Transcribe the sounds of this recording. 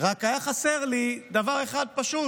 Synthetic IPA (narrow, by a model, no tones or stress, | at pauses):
ʁakajaχaseʁlid̪avaʁe̞χad̪̚paʃu